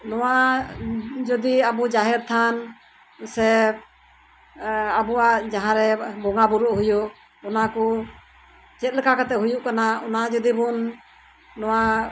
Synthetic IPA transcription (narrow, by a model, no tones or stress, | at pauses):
nɔwa | d͡ʒɔd̪iabud͡ʒaɦɛɾt̪ʰan | sɛ | abuaʔd͡ʒaɦãɾɛbɔŋabuɾuʔɦujuʔ | ɔnakɔ | t͡ʃɛt̪̚ˀlɛkakat̪ɛɦujuʔkanaɔnad͡ʒɔd̪ibunː | ɔwa